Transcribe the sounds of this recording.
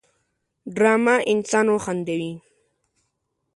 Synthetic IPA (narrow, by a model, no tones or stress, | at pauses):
ɖɾamaʔɪnsanoχand̪ewi